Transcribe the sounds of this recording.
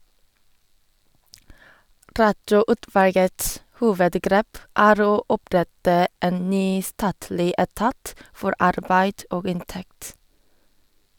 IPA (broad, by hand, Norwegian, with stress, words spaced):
ˈɾɑtɔˌʊtʋɑlɡəts ˈhuːʋədˌɡɾeːp ˈæːɾ ˈoː ˈɔˌpɾɛtə ˈeːn ˈnyː ˈstɑːtlɪ ɛˈtɑːt ˈfɔɾ ˈɑɾbæɪd ˈʔoːɡ ˈɪnˌtɛkt